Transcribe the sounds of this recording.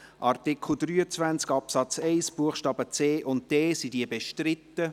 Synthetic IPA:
ʔɑrtɪkʰl̩ˠd̪ɾyːət͡svænt͡skɑpsɑt͡sɛɪsb̥uəχʃtɑːbət͡seːʔʊnt̚d̥ɛːsidiəbeʃtrɪt̪ːə

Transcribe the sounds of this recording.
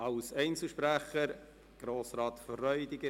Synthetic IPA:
ɑwsɛɪnt͡sl̩ʃpɾæχəɾ | ɡ̥ɾoːsɾɑːt̪fərːœʏd̪ɪɡə

